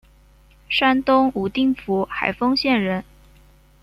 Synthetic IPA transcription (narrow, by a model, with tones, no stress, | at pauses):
ʂa˥nt̪ʊ˥ŋu˨˩t̪i˥˩ŋfu˧˥xa̰˨˩ɪfɤ˥ŋɕjɛ˥˩nɻə˧˥n